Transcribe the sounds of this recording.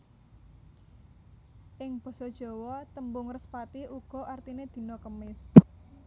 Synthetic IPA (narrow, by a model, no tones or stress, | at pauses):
ʔɪŋb̥ɔ̤sɔd̥ʒ̥ɔ̤wɔt̪əmbʊŋrəspat̪iʔuɡ̥ɔ̤ʔart̪ined̪̥i̤nɔkəmɪs